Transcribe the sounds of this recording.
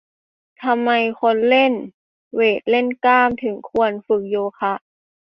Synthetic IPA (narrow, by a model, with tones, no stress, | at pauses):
t̪ʰa˧mːa˧jkʰo˧˥nle˧˥˨n | weː˨˩t̪̚le˧˥˨nkaː˧˥˩mt̪ʰɯ˨˩˦ŋkʰu˧˥ənfɯ˧˩k̚joː˧kʰa˧˥ʔ